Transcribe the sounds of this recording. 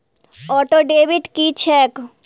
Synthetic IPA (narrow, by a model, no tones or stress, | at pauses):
ɔʈoɖebʱiʈkit͡ʃʰek